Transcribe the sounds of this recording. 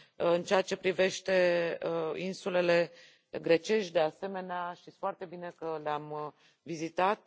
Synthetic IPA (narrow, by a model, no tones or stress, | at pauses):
ɨnt͡ʃeat͡ʃe̞pɾive̞ʃt̪e̞ | insule̞le̞ | ɡɾe̞t͡ʃe̞ʃd̪e̞ase̞me̞neaʃt̪it̪ʲfoart̪e̞bine̞kəleam | vizit̪at̪̚